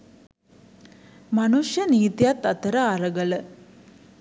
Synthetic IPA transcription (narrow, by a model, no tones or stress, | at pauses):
mɐnuʂjəniːt̪ijat̪ːɐt̪əɾaːɾəɡələ